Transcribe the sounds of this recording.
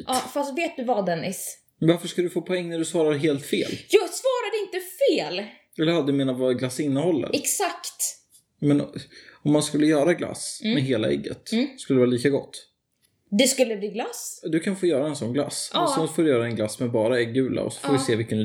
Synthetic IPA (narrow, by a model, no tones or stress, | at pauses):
ɑfast̪veːt̪̚d̪ɵvad̪ɛnːɪs | vaɾfəʂkald̪ɵfoːpʰɔɛŋːnæɖɵsvɑːɾad̪ɦeːlt̪fḛːljɑːsvɑːɾad̪əɪnt̪əfeːl | ɛlːəɾhad̪əmeːnavaɡlasːɪnːəhɔlːə̰ɾɛksakt̪ | mɛnɔmːanskɵlːəjœːɾaɡla̰smmɛɦeːla̰ɛ̰ɡːə̰t̪ːskɵləd̪ɛvɑːliːkaɡɔt̪ː | d̪ɛskɵlːəbliːɡlasd̪ɵkʰanfoːjœːɾaɛnsɔnːɡla̰ssɔfoːdɵjœːɾaɛnɡlasmɛbɑːɾaɛɡːʉ̟ːla̰ɔ̰sɔ̥foːdɪseːvɪlkən